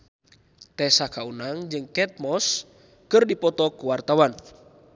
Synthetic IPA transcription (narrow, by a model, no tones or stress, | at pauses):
t̪ɛsakaunaŋd͡ʒɨŋkɛt̪̚mɔs | kɨrdipɔt̪ɔkuwart̪awan